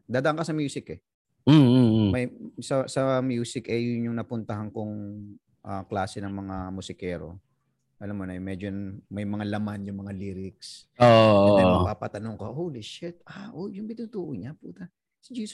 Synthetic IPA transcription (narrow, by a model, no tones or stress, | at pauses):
d̪aːd̪ɐʔɐŋkɐsɐmjuːsɪkɛ | mɐjsɐsɐmjuːsɪkɛjʊnjʊŋnɐpʊnt̪ɐɦɐŋkoŋ | ʔaklaːsɛnɐŋmɐŋamʊsɪkɛːɾo̞̰ | ʔɐlamːonɐʔmɛːd͡ʒonmɐjmɐŋalɐmanjʊŋmɐŋaliːɾɪks | oʔʔ̪ɛɐpapɐt̪ɐnoŋkɐhowlɪʃɪt̪̚ʔaʔojʊŋbɪnut̪uːʔoɲapṵːt̪ɐ | sɪd͡ʒiːs